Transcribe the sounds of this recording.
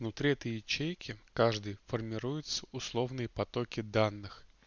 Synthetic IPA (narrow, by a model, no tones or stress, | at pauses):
vnʊt̪ɾʲiɛt̪əjɪt͡ɕejkʲɪkaʐd̪ɨjfərmʲɪɾujɪt̪sə̥ʊslˠo̞vnɨjəpɐt̪okʲɪd̪anːɨx